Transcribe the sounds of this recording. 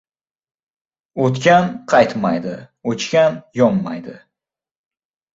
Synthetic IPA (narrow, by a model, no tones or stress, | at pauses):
ot̪kʲanqʰɑjt̪ma̰jd̪ɪ | ot͡ʃkʲanjɒmːajd̪ɪ